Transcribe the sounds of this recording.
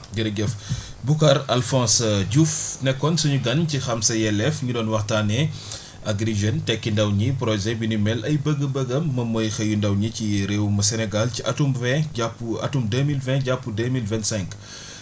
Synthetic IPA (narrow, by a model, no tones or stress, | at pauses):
ɡiɾɡɛf | bukɐɾɐlfɔ̃ːsɟufnɛkːɔnsɐɲuɡɐncixɐmsɐjɛlɛfɲudɔːnwɐxtaːnɛ | ɐɡɾiʒəntɛkːindɐwɲipɾɔʒɛbinimɛlɐjbəɡəbəɡɐmːɐmɔjxɐjundɐwɲiciɾewmɐsɛnɛɡalciʔɐtumvɛ̃ɟapːuɐ̰tumdəmilvɛ̃ɟapːudəmilvɛ̃ntsɛ̃ŋk